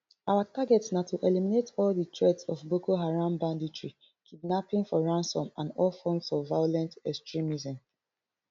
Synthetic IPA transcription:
awataɡɛtsnatuʔeliminetʰɔlditʰɹɛdsɔfbokoɦaɹãmbãnditʰɹi | kʰidnapĩŋfɔɹãnsɔ̃mãndɔlfɔ̃msɔvvaɪjolɛ̃ntɛkstɹimizɛ̃m

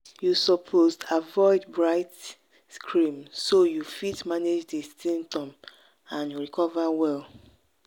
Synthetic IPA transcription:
jusɔpʰoztavɔɪdbɹaɪt | skʰɹĩmsojufitmaned͡ʒdesĩmp̚tɔ̃m | ãnjuɹikʰɔvawɛl

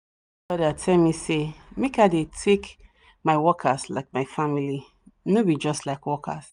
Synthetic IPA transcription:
bɔɾatʰɛlmisemekaɪdetʰek | maɪwɔkʰastla̰ɪk̚maɪfãmili | nobid͡ʒʌstlaɪkwɔkʰa̰s

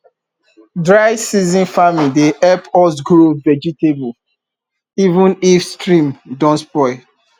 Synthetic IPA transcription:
dɹaɪsizĩnfamideʔɛpɔs̬ɡɾovɛd͡ʒitebu | ivũnifstɹĩmdɔ̃nspɔɪ

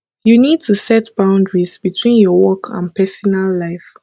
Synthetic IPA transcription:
junid̚tʰusɛtb̥ãʊ̃ndɹizbitʰwĩnjɔwɔkʰã̰npɛsɔnalːaɪf

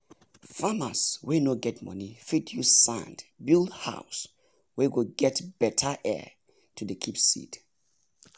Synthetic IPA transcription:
fama̰swenoɡɛtmʌ̰nifitʰjusã̰ndbilˠdha̰ʊs | wiwiɡɛtb̥ɛtʰəʔɛ̰ | tʰudəkʰipsḭt

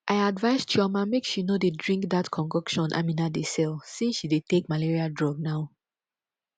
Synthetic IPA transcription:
ʔaɪadvaɪstʰɔmãmekʃinodedɹĩŋkd̪atkʰɔ̃nɡɔkʃɔ̃nʔa̰minadesɛlsĩnsʃidetek̚maliɹiadɹɔɡ̚naʊ

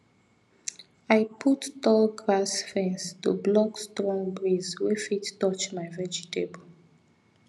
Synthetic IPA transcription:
aɪpʰutːɔlɡɹasfɛ̃nstṵblɔkstɹɔ̃ŋbɹizwefitːɔt͡ʃmaɪvɛd͡ʒitebo

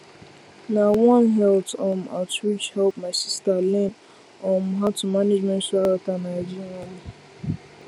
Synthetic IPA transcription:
nawɔ̃nɦɛltɔ̃ma̰twit͡ʃhɛlpmaɪsistalɛ̃n | ɔ̃mɦatumaned͡ʒmɛ̃ntsaɾatanajd͡ʒinɔ̃mi

